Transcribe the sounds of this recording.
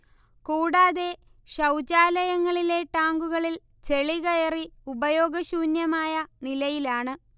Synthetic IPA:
kuːɽaːðe̞ | ɕɐwt͡ɕaːlɐjɐŋːɐɭile̞ʈaːŋɡuɣɐɭil | t͡ɕe̞ɭiɣɐjɐriubɐjo̞ːɡɐɕuːnjɐmaːjɐnilɐjilaːɳɨ

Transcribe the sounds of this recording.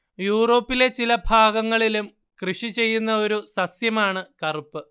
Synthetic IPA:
juːro̞ːpːile̞t͡ɕilɐbʱaːɡɐŋːɐɭilum | krɨʂit͡ɕe̞jːunːɐo̞ɾusɐsjɐmaːɳɨkɐrupːɨ

